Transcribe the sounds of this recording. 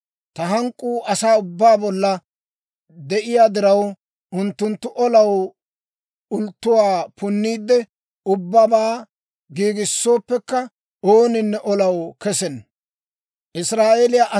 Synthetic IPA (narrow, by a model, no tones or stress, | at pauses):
t̪ɐɦɐŋkʼːuːʔɐsaːʊbːaːbɔlːɐ | d̪ɛʔɪjaːd̪ɪɾɐw | ʔʊnt̪ːʊnt̪ːʊʔɔlɐw | ʊlt̪ːʊwaːpʊnːiːd̪ːɛ | ʊbːabaː | ɡiːɡɪsːo̞ːpːɛkːɐ | oːnɪnːɛʔɔlɐwkɛsɛn | ʔɪsɾaːʔeːlɪjaʔɐ